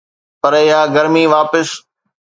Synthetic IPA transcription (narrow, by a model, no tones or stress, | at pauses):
pɐɾɪɦaːɡɐɾmiʋaːpɪs